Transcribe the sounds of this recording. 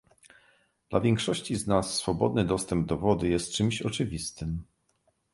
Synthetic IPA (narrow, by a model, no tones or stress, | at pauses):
d̪̥la̰vʲjɛŋkʂɔɕt͡ɕiznasːfɔbɔd̪nɘd̪ɔst̪ɛmb̚d̪ɔvɔd̪ujɛst̪̚t͡ʂɘmɕɔt͡ʂɘvʲist̪ɘm